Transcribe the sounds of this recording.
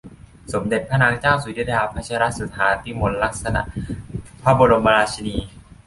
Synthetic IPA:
so˩˦mde˨˩t̪̚pʰa˥naː˨˦˥ŋt͡ɕaː˥˩wsu˨˩˦di˦˥jaː˧pʰa˧˥t͡ɕʰa˧˥˧ɾa˦˥t̪̚su˨˩t̪ʰːaː˩˦t̪ʰi˦˥˩mo˧nla˦˥k̚sa˧na̰˨˩ʔpʰa˦˥˩bo˧ɾo˧mba˧aː˧t͡ɕʰi˧niː˧

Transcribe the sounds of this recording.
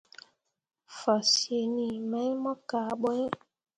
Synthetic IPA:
fa˨si˨e˨ni˨mɛ˨˦mɔ˦kaː˨ɓɔ˦

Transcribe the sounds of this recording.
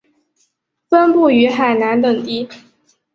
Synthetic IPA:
fə˥npu˥˩y˧˥xa˨˩ɪna˧˥nt̪ɤ˨˩ŋt̪i˥

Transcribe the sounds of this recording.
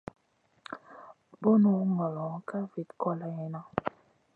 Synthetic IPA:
bo˦nu˨˦ŋɔ˨lɔ˨˦ka˦vi˨tkɔ˦la˨jɛ˨na˦

